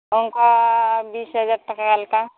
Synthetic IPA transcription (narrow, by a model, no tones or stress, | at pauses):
oŋkabiːsɦəd͡ʒaːɾʈɐkalka